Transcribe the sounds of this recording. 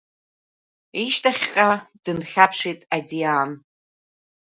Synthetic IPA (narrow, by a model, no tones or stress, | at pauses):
iʃtʰaχʲqʼad̥ɨnχʲapʰʂejtʼadiaːn